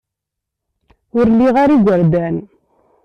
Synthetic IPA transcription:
ʊɾlːiʁaɾiɡʷəɾd̪æn

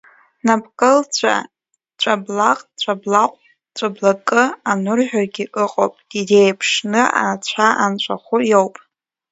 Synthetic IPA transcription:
napkʼɨlt͡ɕʷʰa̰ | t͡ɕʷʼablaqʼt͡ʃʷʼablaqʷʼ | t͡ɕʷʼablakʼɨanʊrħᶣarɡʲiʔɨqʼo̰wpʼɡ̥idejpʰʂnɨa̰t͡ɕʷʰaʔant͡ʃʷʼaχʷʊjowpʼ

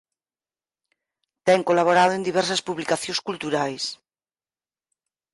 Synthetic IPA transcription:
t̪ɛŋkolaβ̞oɾaðoẽnd̪iβɛɾsaspuβlikaθjõskult̪uɾajs

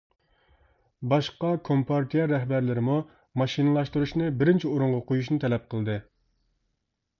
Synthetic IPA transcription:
bɑʃqɑkʰompʰɑɾt̪ʰijɛɾɛɦbæɾlɪɾɪmu | mɑʃinɨlˠɑʃt̪uɾuʃnɨbɪɾɪnt͡ʃʰioɾuɴʁɑqojuʃnɨt̪ʰɛlɛp̚qʰəlˠd̪ɨ

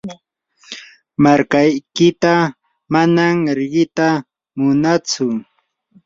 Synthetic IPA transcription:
maɾkajkɪt̪a | manamɾɪɢɪt̪a | mʊnat͡sʊ

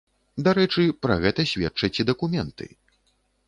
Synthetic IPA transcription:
d̪aɾɛt͡ʂɨpɾɐ̰ɣɛt̪ɐsʲvʲɛt͡ʂːɐt͡sʲid̪ɐkumʲɛnt̪ʰɨ̰

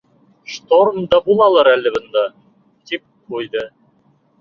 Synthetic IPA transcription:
ʃt̪ormd̪ɑbulˠɑlˠɑɾælɘ̆bɤ̆nd̪ɑ | t̪ip̚qujd̪ɤ

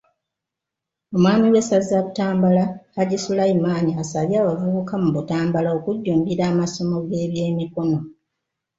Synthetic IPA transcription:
o̞mwaːɲiwesazizaβutaːmbalahaɟisulaimaːɲiasaβjaːβavuukamuβutaːmbalao̞kuɟːuːmbiɾaːmaso̞mo̞ɡe̞ːβje̞ːmiko̞no̞

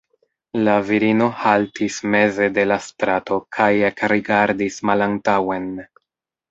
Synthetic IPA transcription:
laviɾino̞haltisme̞ze̞de̞lastɾato̞kʰaje̞kɾiɡaɾdismalantawe̞n

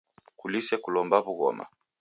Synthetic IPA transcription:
kulisɛkulɔmbaβuɣɔ̰ma̰

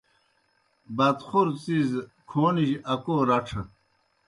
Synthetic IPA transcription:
bɐt̪χuɾt͡sizkʰoːniʑʔɐkoːɾɐʈ͡ʂʰə

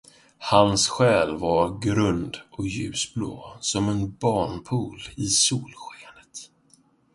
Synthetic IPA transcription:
hansɧɛːlvaɾɡɾɵnd̪ʔɔkjʉ̟̰ːsblo̰ːsɔmɛnbɑːɳpʰuːlɪsuːlɧeːnət̪

